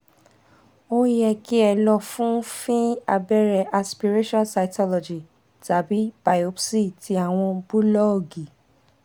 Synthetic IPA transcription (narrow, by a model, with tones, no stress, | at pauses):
o˦jɛ˧ki˦ɛ˧lɔ˧fũ˦fĩ˦a˧bɛ˦ɾɛ˧ʔa˨spi˧ɾe˦ʃɔ̃˦nsa˨ikɔ˦lɔ˨d͡ʒi˨ | ta˨bi˦b̥a˨jo˧psi˦˨ti˧a˦˨w̃ɔ̃˧bu˦lɔ˦o˨ɡi˨